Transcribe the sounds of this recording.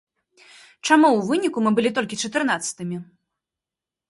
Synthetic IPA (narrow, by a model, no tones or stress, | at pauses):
t͡ʂamuwvɨnʲikumɨbɨlʲit̪ɔlʲkʲit͡ʂɐt̪ɨrn̪at̪sɐ̥t̪ɨmʲi